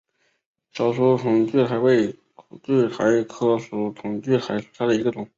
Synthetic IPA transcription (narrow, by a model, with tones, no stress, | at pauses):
ʂɑ˨˩ʊʂu˥tʰʊ˧˥ŋt͡ɕy˥˩t̪ʰa˧˥ɪwe˥˩ɪ˧˥ | t͡ɕy˥˩t̪ʰa˧˥ɪkʰɤ˥su˧˥t̪ʰʊ˨˩ŋt͡ɕy˥˩t̪ʰa˧˥ɪsu̥˨˩ʈ͡ʂ̪ʰa˥d̪ə˨˩i˧˥ɡə˧t̪ʊ˨˩˦ŋ